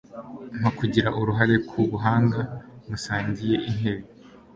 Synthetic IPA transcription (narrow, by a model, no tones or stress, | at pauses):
n̥akuɟiɾaʔuɾuɦaɾe̞kʰuβuɦaːŋɡamusaːɲɟije̞ʔinɦe̞βi